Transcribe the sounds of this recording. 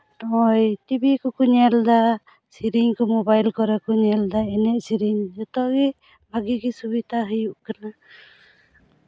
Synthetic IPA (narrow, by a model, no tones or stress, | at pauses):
nɔɔjt̪ibikɔkuɲɛld̪a | siɾiɲkɔmobajlkɔɾakɔɲɛld̪aɛnɛʔsiɾiɲd͡ʒɔt̪ɔɡi | bʱaɡiɡisubit̪aɦəjuʔkana